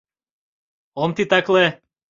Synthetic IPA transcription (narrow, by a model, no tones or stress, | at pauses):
ɔmt̪it̪aklɛ